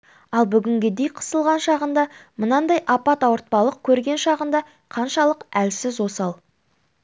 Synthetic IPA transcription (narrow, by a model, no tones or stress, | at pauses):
ɑlˠbʏɡʲɪŋɡʲed̪ejqʰə̥səlˠʁɑnʃɑʁənd̪ɑmənɑnd̪ɑjʔɑpɑt̪ɑwəɾt̪̚pɑlˠəq̚kʲʰɵɾɡʲe̞nʃɑʁənd̪ɑ | qʰɑnʃɑlˠəqælsɪzwo̞sɑlˠ